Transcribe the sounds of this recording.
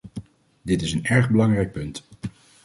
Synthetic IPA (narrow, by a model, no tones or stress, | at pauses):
dɪtɪsənɛɹχbəlɑŋrɛjk̚pɵnt